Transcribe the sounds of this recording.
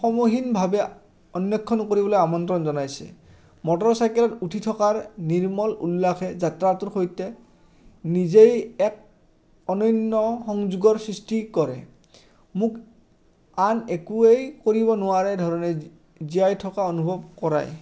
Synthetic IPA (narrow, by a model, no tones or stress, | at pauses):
xɔmoɦinbʱabɛ | ɔnjɔkʰːɔnkoɹibɔlojamɔntɹɔnzɔnajsɛ̰ | mɔtɔɹsajkɛlɔtutʰitʰɔkaɹniɹmɔlṵlːaxʰɛzatɹatuɹxojtɛ | nizejɛk̚ | ɔnɔjnːɔxɔŋzuɡɔɹsɹistikɔɹɛ̰ | muk | anekuejkoɹibɔnʊaɹɛdʱɔɹɔnɛ | zijajtʰɔkaonubʱɔb̚kɔɹa̰j